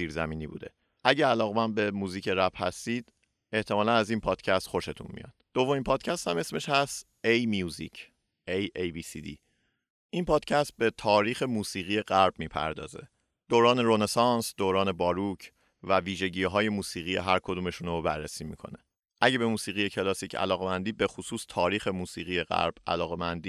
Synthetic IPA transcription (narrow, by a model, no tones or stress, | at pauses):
iːɾzæ̰miːniːbṵːd̪e̞̰ | ʔæɟeælɒːɣe̞mænbe̞muːziːcʰe̞ɾæbhæ̰st̪iːd̪̥ | e̞ht̪ʰe̞mɒːlænæzinpʰɒːd̪̥cʰæst̪χo̞ʃet̪ʰṵnmḭjɒ̰ːd̪̥ːo̞vːo̞miːmpʰɒːd̪cʰæst̪hæme̞sme̞ʃhæst̪ | ejmijuːzḭcʰ | ejejbiːsḭːd̪ḭː | ʔinpʰɒːd̪̥cʰæst̪̚be̞t̪ʰɒːɾiːxe̞muːsiːɣije̞ɢæɾb̚miːpʰæ̰ɾd̪ɒ̰ːze̞̰ | d̪̥oːɾɒːne̞ɾone̞sɒːnsd̪oːɾɒːne̞bɒːɾucʰ | væviːʒe̞ɟiːɦɒːje̞muːsiːɣiːjḛɦæɾkʰod̪uːme̞ʃuːnobærːesiːmḭːkʰo̞̰ne | ʔæɟe̞be̞muːsiːɣije̞cʰe̞lɒːsiːcʰæ̰lɒːɣe̞mænd̪iːbe̞xusuːst̪ʰɒːɾiːxemuːsiːɣije̞ɣæ̰ɾb̥æ̰lɒːɣe̞mænd̪iː